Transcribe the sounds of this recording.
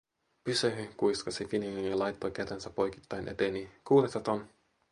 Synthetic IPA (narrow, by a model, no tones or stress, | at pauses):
pysøɦykujskɑsifinninjɑlɑjt̪ːojkæt̪ensæpːo̞jki̥t̪ːɑjnʔe̞t̪eːnikuːɾest̪ɑt̪on